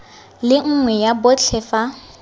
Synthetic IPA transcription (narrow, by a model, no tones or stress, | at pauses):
lɪŋ̩ŋwɛjabʊt͡ɬʰɛːfa